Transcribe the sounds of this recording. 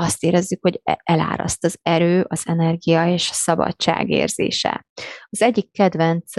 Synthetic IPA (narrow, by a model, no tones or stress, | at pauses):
ɒst̪eːɾɛzːykhoɟʔɛla̰ːɾɒ̰st̪ɒzɛɾøːʔɒz̥ɛnɛrɡijɒeːʃɒ̥sɒbɒ̰t͡ʃːa̰ːɡḛːrz̥ḛːʃɛ̰ɒzɛɟːikːɛd̪vɛnt̪s